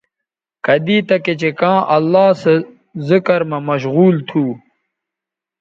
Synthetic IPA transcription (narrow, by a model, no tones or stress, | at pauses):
kɐd̪iːt̪ɐket͡ɕekãːʔɐlːaːse | zikɐɾmɐmɐɕ̬ɣuːlt̪ʰuː